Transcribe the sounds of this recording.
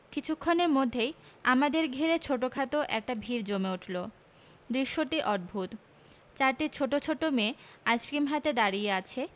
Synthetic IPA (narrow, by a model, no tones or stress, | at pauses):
kit͡ɕʰukʰːoneɾmod̪ʱːejamad̪eɾɡʱeɾet͡ɕʰoʈokʰat̪oʔɛ̰k̚ʈabʱiɾd͡ʑomeuʈʰlo | d̪ɾiʃːoʈiʔɔʈ̚bʱut̪ | t͡ɕaɾʈit͡ɕʰoʈot͡ɕʰoʈːomeajsɾimɦat̪ed̪aɾijeat͡ɕʰe